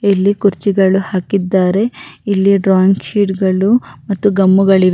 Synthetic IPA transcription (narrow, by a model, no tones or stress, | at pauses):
elːikuɾt͡ʃiɡɐɭuhaːkid̪ːaːɾe̞ilːiɖɾaːŋɡʃiːʈɡɐɭumɐt̪ːuɡɐmːuɡɐɭiɾ